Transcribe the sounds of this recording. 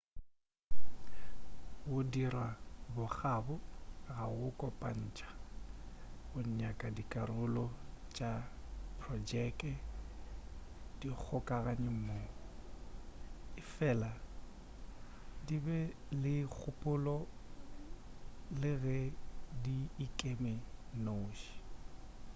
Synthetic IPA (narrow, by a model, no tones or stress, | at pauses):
wʊdirabʊk͡xabʊɣaɣʊkʼɔpʼan̩t͡ʃʼḁ | bʊɲɲakʼadikʼarʊlɔt͡ʃʼapʰrɔd͡ʒɛkʼɛ | d̥ik͡xʰʊkʼaɣaɲɪm̩mo | ɪfɛla | dibɛlɪk͡xʰʊpʼʊlɔ | lɪɣɛdiːkʼemɛnoːʃi̥